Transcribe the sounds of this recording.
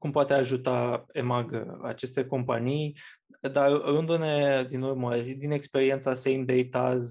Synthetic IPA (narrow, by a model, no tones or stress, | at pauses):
kumpoat̪e̞aʒut̪ae̞maɡə̰a̰t͡ʃe̞st̪e̞ko̞mpa̰nij | d̪arrund̪une̞d̪inurməd̪ine̞kspe̞ɾient̪sasejmd̪ejt̪az